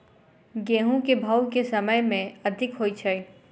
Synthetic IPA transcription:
ɡẽːɦũkebʱaːwkesɐməjmẽɐd̪ʱɪkɦoːit͡ʃʰəi

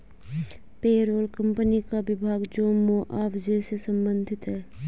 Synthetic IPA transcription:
peːɾoːlkə̃mpənikaʋɪbʱaːɡd͡ʒoːmoːʔaːʋd͡ʒeːsesə̃mbə̃nd̪ʱɪt̪ɦɛː

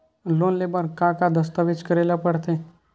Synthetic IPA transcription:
loːnleːbəɾkãkad̪əst̪aʋɪt͡ʃkəɾeːlapəɽt̪ẽ

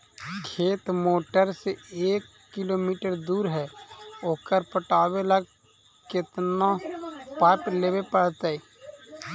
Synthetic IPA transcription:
kʰeːt̪moːʈəɾseeːkːɪloːmiːʈəɾd̪uːɾɦɛːoːkəɾpəʈaːweləɡ̚ | kɪt̪napapleːbepəɽt̪eɛ

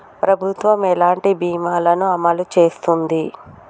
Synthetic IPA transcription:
pɾɐbʱut̪ʋɐmɛlaːɳʈibiːmaːlɐnuɐmɐlut͡ʃe̞ːst̪und̪i

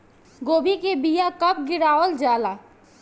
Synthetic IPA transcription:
ɡoːbʱikebijakəp̚ɡɪɾaːʋəld͡ʒaːla

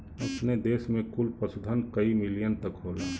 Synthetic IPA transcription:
ɐpned̪eːsmẽkʊlpəsʊd̪ʱənkəimɪlijənt̪əkɦoːla

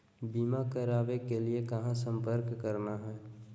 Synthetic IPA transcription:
biːmakəɾaːbekeliekɐɦãsə̃mpəɾkːəɾnaɦɛː

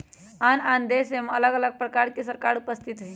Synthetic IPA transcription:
anand̪esemələɡələɡ̚pɾəkaɾkesəɾkaɾupəst̪ʰit̪ɦĩ

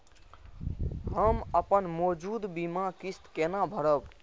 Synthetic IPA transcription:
ɦəməpənmɔd͡ʒud̪bimakist̪kenabʱəɾəb

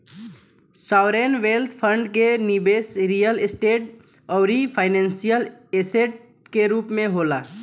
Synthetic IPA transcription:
saːʊɾeːnʋeːlt̪ʰpʰə̃ɳɖkenibeːsɾijəlɪsʈeːʈ | ɔːɾipʰaːɪnɛ̃ːnsijəleːseːʈ̚ | keɾuːpmẽɦoːlaː

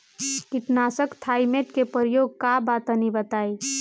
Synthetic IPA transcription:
kɪʈnasəkt̪ʰaːimeʈkepəɾijoːɡ̚kabat̪ənibət̪aːi

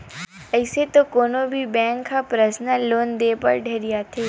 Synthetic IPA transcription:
əɪset̪okoːnobʱibɛ̃ːŋkʰːapɾəsnaloːnd̪eːpə̰ɾɖʱeːɾɪjat̪ʰeː

